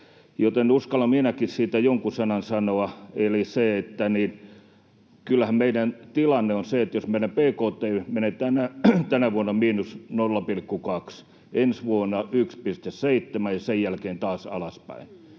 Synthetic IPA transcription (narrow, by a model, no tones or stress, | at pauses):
jot̪enuskɑlɑminækissiːt̪æjoŋkusɑnɑnsɑnoɑeliseet̪ːænin | kylːæhæmmeidænt̪ilɑnːeonseet̪josmenæpeːkoːt̪ːˑeːmenet̪ænæt̪ænæʋuonːɑmiːnusnolːɑpilkːukɑks | ensʋuonːɑykspist̪esseit̪ːemæjjɑsejjælkeːnt̪ɑːsɑ̰lɑspæ̰in